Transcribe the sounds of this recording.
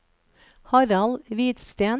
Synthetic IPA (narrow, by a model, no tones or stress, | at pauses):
hɑɾɑlʋiːt̪st̪eːn